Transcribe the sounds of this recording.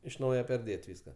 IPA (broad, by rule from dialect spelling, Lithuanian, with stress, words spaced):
ɪʃ ˈnɐʊjɛ pʲɛrʲˈdʲeːtʲ ˈʋʲiːskɐ